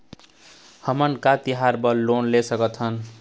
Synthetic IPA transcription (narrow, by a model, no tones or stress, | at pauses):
hʌmʌnkat̪iɦaɾbʌlonlesʌkʌt̪ʰʌn